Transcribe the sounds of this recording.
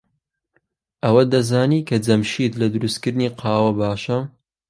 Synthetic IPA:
ʔɐwɐd̪ɐzaːniːkʰɐd͡zɐmʃiːt̪lɐd̪ɨɾust̪kɨɾd̪niːqʰɑːwɐbaːʃɐ

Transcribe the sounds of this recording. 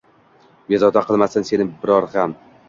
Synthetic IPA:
bezɒd̪aqʰɨlˠmasɪnse̞nɪbɪɾɒɾham

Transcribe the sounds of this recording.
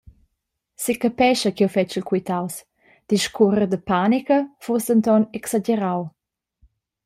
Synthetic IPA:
sikapɛʃəkɛwfɛt͡ʃilkwit̪aws | d̥iʃkʰuɾəd̪əpaːnikəfusd̪ənt̪ɔnɛksad͡ʒeɾaw

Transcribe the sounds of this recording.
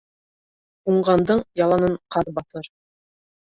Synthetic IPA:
uɴʁɑnd̪ɤɴjɑlˠɑnɤɴqɑɾbɑt̪ɤɾ

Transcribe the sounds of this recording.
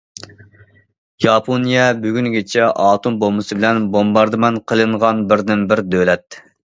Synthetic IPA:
jɑpʰonijɛbyɡʲyŋɡʲet͡ʃʰɛʔɑːt̪ʰumbomɨsɨbɪlɛnbombɑɾd̪ɨmɛnqʰəlˠɨɴʁɑnbɪɾd̪ɪnbɪɾd̪ølɛt̪

